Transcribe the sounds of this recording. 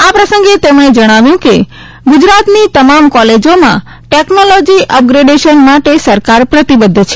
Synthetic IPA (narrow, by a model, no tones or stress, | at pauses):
apɾəsə̃ŋɡet̪emɳ̃ed͡ʒəɽ̃aʋjũke | ɡud͡ʒɾat̪nit̪əmamkɔled͡ʒomã̰ | ʈeknolɔd͡ʒiʔəp̚ɡɾeɖeʃənmaʈesəɾkaɾpɾət̪ibəd̪ʱːt͡ʃʰe̥